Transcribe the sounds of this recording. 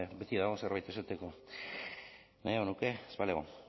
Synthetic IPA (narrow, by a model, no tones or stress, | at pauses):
bet̪iðaɣo̞seɾβajt̪e̞sat̪eko̞ | najeɣonuke̞spaleɣo